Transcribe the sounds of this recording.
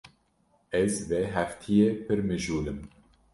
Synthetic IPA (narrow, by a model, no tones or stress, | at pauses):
ɛzvɛɦæft̪ʰijepʰɨɾmɨʒuːlɨm